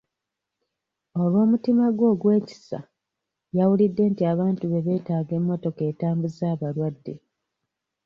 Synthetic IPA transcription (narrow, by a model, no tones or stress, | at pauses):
o̞lwo̞ːmutimaɡwo̞ːɡwe̞ːci̥sa̰ | jawulidːe̞ːntiaβaːntuβe̞βe̞ːtaːɡe̞mːo̞to̞ke̞ːtaːmbuzaːβalwadːe̞